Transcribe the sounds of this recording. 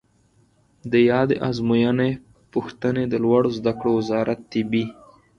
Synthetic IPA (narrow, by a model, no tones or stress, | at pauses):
d̪əjɑd̪eʔɑzmujane | puxt̪əned̪əlwaɽozd̪akɽowɪzɑɾat̪ːɪbi